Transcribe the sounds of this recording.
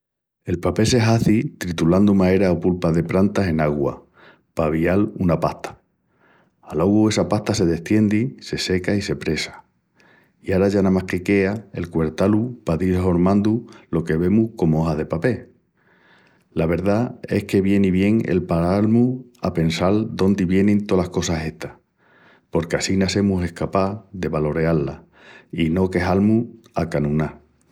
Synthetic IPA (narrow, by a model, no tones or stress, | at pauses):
e̞lpape̞se̞ɦaθit̪ɾit̪uland̪umae̞ɾaopulpaðe̞pɾant̪aɦe̞naɣwa̰ | paβ̞ialunapaht̪ʰḁ | loɣue̞sapaht̪ase̞ðe̞ht̪je̞nd̪ise̞se̞kaise̞pɾe̞sḁ | iaɾaʝanamahke̞ke̞ae̞̰lkwe̞ɾt̪alupaðiɦo̞ɾmãnd̪ulo̞ke̞βe̞muhko̞mo̞ɦaðe̞pape̞ | laβe̞ɾðae̞̰hke̞βje̞niβje̞ŋe̞̰lpaɾaalmua̰pe̞nsald̪o̞nd̪iβje̞nent̪o̞lahko̞saɦe̞ht̪ḁh | po̞ɾkeasinase̞muse̞hkapaðe̞βalo̞ɾe̞alːa | ino̞ke̞ɦalmu | akanũna